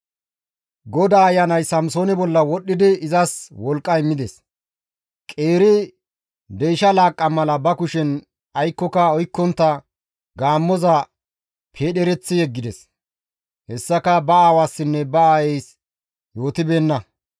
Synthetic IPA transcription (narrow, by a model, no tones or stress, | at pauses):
ɡɔd̪aːɐjːɐnɐjsɐmsoːnɪbɔlːɐwɔɗːɪd̪ɪɪzɐswɔlkʼːɐjmːɪd̪ɛs | kʼe̞ːɾɪ | d̪ejʃɐlaːkʼːɐmɐlɐbɐkʊʃɛn | ɐjkːɔkɐɔjkːɔnt̪ːɐ | ɡaːmːɔzɐ | pʰe̞ːɗɛɾɛt͡sːɪjɛɡːɪd̪ɛs | hɛsːɐkɐbɐaːwaːsːɪnːɛbɐaːjɛjs | jo̞ːt̪ɪbe̞ːnːɐ